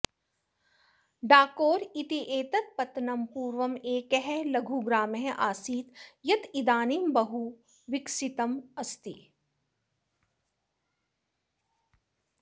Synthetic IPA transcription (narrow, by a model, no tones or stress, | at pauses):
ɖaːkoːɾit̪iʔeːt̪ɐt̪̚pɐt̪nɐmpuːɾʋɐmeːkɦɛlɐɡʱuɡɾaːmeɦʔaːsiːt̪jɐt̪id̪aːnimbɐɦu | ʋɪksit̪ɐmɐst̪i